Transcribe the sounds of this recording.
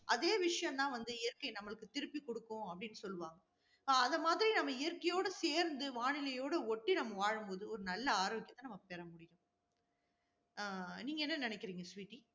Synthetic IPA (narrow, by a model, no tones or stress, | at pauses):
ʔɐðeːʋɪʂɐjɐ̃mt̪ãːʋɐnd̪ɯɪjɐɾkɐɪnɐmːɐɭɯkːɯt̪ɪɾɯpːikɔɽɯkːʊ̃ɐpːɐɽɪnːɯsɔlːɯʋaːŋɡɐː | ðɐmaːðɪɾinɐmːɐɪjɐɾkɐjoːɽɐseːɾnd̪ɯʋaːnɪlɐjoːɽɐɔʈːinɐmːɐʋaːɻɯmpoːðɯɔɾɯnɐlːɐaːɾːʋɪkːɐt̪ːɐnɐmːɐpɛɾɐmʊɽɪjʊ̃ | niːŋɡɐɛnːɐnɪnɛkːɪɾiːŋɡɐsʋiːʈːi